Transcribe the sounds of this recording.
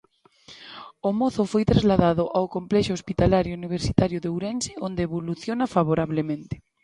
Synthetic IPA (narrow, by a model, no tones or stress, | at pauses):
omoθofojt̪ɾazlaðaðoʔawkomplɛʃoospit̪alaɾjouniβ̞eɾsit̪aɾjoðewɾɛnseond̪eːβoluθjonafaβ̞oɾaβlemẽnt̪e̥